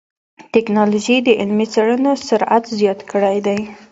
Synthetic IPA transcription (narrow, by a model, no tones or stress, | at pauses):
t̪ɪknɑloʒid̪əʔɪlmit͡seɽənosʊɾa̰t̪zjɑt̪kəɽajd̪aj